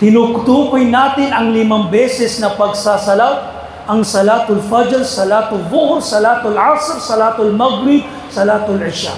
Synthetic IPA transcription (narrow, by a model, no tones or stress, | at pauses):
t̪ɪnʊkt̪uːpɪjnaːt̪ɪnɐŋlɪmaŋbɛːsɛsnɐpɐɡ̚saːsɐlat | ʔɐŋsɐlaːt̪ʊlfad͡ʒɾsɐlaːt̪ʊlvʊhɾsɐlaːt̪ʊlʕasɾsɐlaːt̪ʊlmaɡɾɪd̪̚ | sɐlaːt̪ʊlʕɪʃa̰